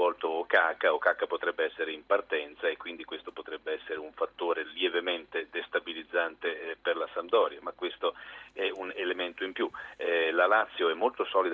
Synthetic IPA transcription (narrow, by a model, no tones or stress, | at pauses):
ɔlt̪oːkaːkːaokːakːapot̪ɾɛbːeɛsːeɾeimpart̪ɛnt̪saekːwind̪ikwest̪opot̪ɾɛbːeɛsːeɾeuɱfat̪ːoːɾeljevement̪ed̪est̪abilid̪zːant̪eperlasand̪ɔːɾjamakːwest̪oɛunelement̪oimpjuɛlalat̪sːjoɛmːolt̪osɔːlid̪